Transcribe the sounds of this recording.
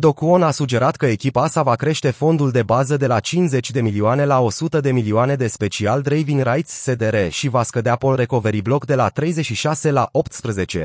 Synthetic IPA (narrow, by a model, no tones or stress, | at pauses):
d̪o̞kuo̞nasud͡ʒe̞ɾat̪kəe̞kʲipaasavakɾe̞ʃt̪e̞fo̞nd̪uld̪e̞bazəd̪e̞lat͡ʃinze̞t͡ʃʲd̪e̞milioane̞lao̞sut̪əd̪e̞milioane̞d̪e̞spe̞t͡ʃiald̪ɾejviŋrajt̪sːe̞d̪e̞ɾe̞ʃivaskəd̪eapo̞lre̞ko̞ve̞ɾiblo̞kd̪e̞lat̪ɾe̞jze̞t͡ʃʃiʃase̞laʔo̞pt̪spɾəze̞t͡ʃe̞